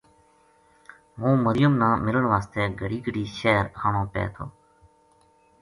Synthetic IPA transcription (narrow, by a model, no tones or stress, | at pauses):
ɦũːməɾɪjəmnãːmɪləɳʋaːst̪eːɡʱəɽiːɡʱəɽiːʃeːɾɦaːɳõːpḛːt̪ʰo̰ː